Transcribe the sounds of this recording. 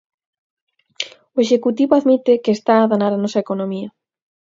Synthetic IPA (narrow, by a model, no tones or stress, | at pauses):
oeʃekut̪iβoaðmit̪ekest̪aːðanaɾanɔsɐekonõmiɐ